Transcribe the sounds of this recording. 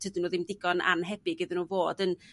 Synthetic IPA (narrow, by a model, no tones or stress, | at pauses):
tʰədɪnuːðɪmdɪɡɔna̰nɦɛbɪɡɨðɪnuːvoːdən